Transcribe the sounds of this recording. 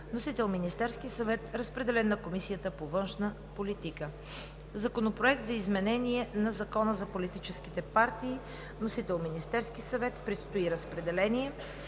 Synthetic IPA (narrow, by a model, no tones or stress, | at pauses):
nosit̪ɛlˠminist̪ɛɾskisɐvɛt̪ɾəspɾɛd̪ɛlɛnːɐkomisijət̪əpovɤnʃnə | polit̪ikə | zɐkonopɾoɛk̚t̪zɐizmɛnɛniɛnɐzɐkɔnəzɐpolit̪it͡ʃɛskit̪ɛpaɾt̪iː | nosit̪ɛlˠminist̪ɛɾsk̟isɐvɛt̪pɾɛt̪st̪oiɾəspɾɛd̪ɛlɛniɛ